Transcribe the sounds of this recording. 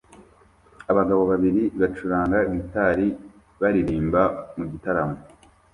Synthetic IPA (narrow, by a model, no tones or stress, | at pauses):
aβaɡaβo̞βaβiɾiβat͡ʃuɾaːŋɡaɡitaɾi | βaɾiɾiːmbamuɟitaɾamo